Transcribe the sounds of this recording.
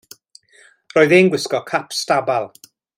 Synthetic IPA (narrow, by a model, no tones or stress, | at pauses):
rɔːɨðenɡwɪskɔkʰapstabalˠ